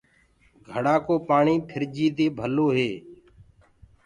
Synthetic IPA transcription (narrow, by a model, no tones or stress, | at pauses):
ɡʱəɽaːkoːpaːɳiːpʰɪɾd͡ʒiːt̪eːbʱəloːɦeː